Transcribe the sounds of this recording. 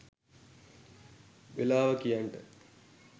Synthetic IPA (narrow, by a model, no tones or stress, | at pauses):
ʋelaːʋəkijaɳʈə